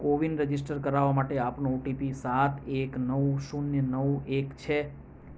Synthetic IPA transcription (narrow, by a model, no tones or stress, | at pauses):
koʋinɾəd͡ʒisʈəɾkəɾaʋamaʈeapnooʈipisat̪ʰeknəʋusunjənəuekt͡ʃʰe